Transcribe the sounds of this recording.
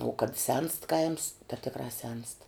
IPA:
uɔ kɐt sʲɛnst kɐɪms tɐ ˈtʲɪkrɑː ˈsʲɛnst

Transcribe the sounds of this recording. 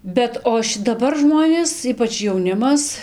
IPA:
ˈbʲɛt oː ʃʲɪ dɐˈbɐr ˈʒmoːnʲeːs ˈiːpɐt͡ʃ jɛʊˈnʲɪmɐs

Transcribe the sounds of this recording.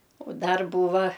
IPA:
ʊ ˈdɐr ˈbuːʋɐ

